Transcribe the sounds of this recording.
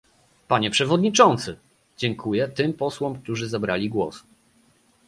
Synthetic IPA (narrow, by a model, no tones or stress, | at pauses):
paɲɛpʂɛvɔd̪ɲit͡ʂɔnt̪sɘ | d͡ʑɛŋkʰujɛt̪ɘmpɔswɔmk̚t̪uʐɘzabɾalʲiɡwɔ̰s